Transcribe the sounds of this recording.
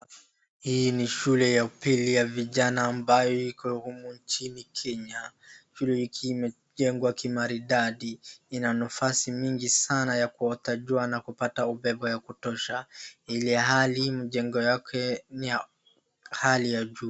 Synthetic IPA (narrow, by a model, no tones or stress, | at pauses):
hiniʃulɛjapilijaviʄanaːmbajɔikɔuhumuɲt͡ʃinikʰɛɲaʃulɛhikʰiːmɛ | ʄɛŋɡwakimaɾiɗaɗiinanafasimiŋɡisanajakuɔtaʄuanakupataubɛbɔjakutɔʃahilɛɦalimuʄɛŋɡɔjakʰɛni | halijaʄuː